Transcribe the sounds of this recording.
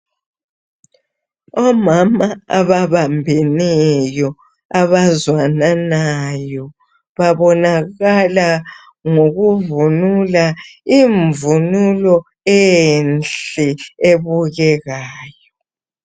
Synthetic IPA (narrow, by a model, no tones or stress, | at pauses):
ɔmamaaβaβambʱɛnɛjɔ | aβazwananajɔ | βaβɔnaɣala | ŋoɣuvunulaiɱvunulɔ | ɛjnɬɛeβuɣɛɣaːjɔ